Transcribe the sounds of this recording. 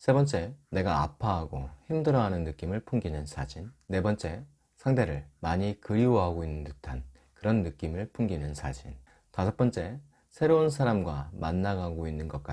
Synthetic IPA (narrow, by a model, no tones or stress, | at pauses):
sʰe̞bʌnt͡ɕ͈e̞ne̞ɡaːpʰaɦaɡoçimdɯɾʌɦanɯnːɯk͈imɯɭpʰuŋɡinɯnsʰad͡ʑinːe̞bʌnt͡ɕ͈e̞ | sʰaŋde̞ɾɯɭmaɲikɯɾiwoɦaɡoinːɯntɯtʰan | kɯɾʌnːɯk͈imɯɭpʰuŋɡinɯnsʰad͡ʑin | tasʰʌp͈ʌnt͡ɕ͈e̞ | sʰe̞ɾounsʰaɾamɡwamanːaɡaɡoinːɯnɡʌk͈a